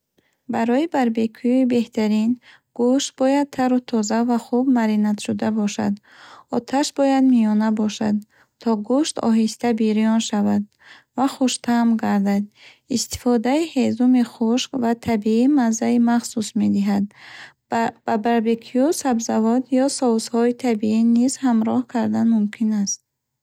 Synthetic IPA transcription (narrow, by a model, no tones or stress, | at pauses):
baɾɔibaɾbekʰujuibe̞ht̪ʰaɾin | ɡ̥uʃt̪̚bɔjad̪̚t̪ʰaɾut̪ʰɔzavaχubmaɾinat̪ʃud̪abɔʃa̰d̪ | ɔt̪ʰaʃbɔjad̪miɔnabɔʃa̰d̪ | t̪ʰɔɡuʃt̪ɔ̰ɦist̪abiɾijɔnʃavad̪̚ | vaχuʃt̪ʰamɡaɾd̪ad̪̚ | ist̪i̥fɔd̪aihezumiχuʃkvat̪ʰabiimanzaimaχsusme̞d̪iɦad̪ | b̥abaɾbikʰiusabzavɔd̪jɔsɔushɔit̪ʰabiinizhamɾɔhkʰaɾd̪anmumkʰinast̪̚